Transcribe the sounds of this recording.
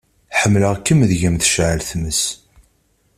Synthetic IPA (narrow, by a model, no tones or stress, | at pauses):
ħəmːləʁkːəmðʝəmθə̥ʃʕəlθməs